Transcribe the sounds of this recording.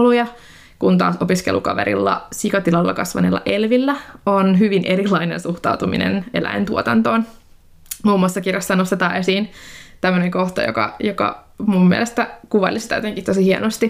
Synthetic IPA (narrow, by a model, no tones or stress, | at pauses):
lujɑ | kunt̪ɑ̰ːso̞piskelʔṵkɑ̰ʋḛɾḭlːɑ̰sikɑt̪ilɑlːɑ̰kɑsʋɑ̰nilːɑ̰ʔelʋilːæonɦyʋinʔeɾilɑinensuht̪ɑut̪umḭnʔḛnḛlæ̰int̪uot̪ɑnt̪oːn | muːmːuɑsːɑkirjɑsːɑnost̪et̪ɑːesiːnt̪æmːøneŋko̞ht̪ɑ̰jo̰kɑ̰jokɑ̰mumːiɛ̰ḛlest̪ækuʋɑlisit̪æjot̪eŋkiht̪osihienost̪i